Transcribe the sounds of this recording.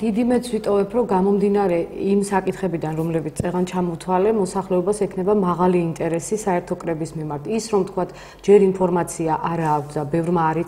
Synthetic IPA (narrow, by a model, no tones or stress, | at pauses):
d̪̥id̪imɛt̪sʰwit̪ʼɔvɛpʰɾɔɡamɔmd̪inaɾɛimsakʼit̪ʰχɛbid̪anɾɔmlɛbit̪st̪ʼɛʁant͡ʃʰamɔt̪ʰwalɛmɔsaχlɛɔbasɛkʰnɛbamaʁaliːnt̪ʼɛɾɛsisaɛɾt̪ʰɔkʼɾɛbismimaɾt̪ʰisɾɔmt̪ʰkʰwat̪ʰ | d͡ʒɛɾimpʰɔɾmat̪sʰiaʔaɾaːk̚ʰt̪ʰd̪abɛvɾmaːɾi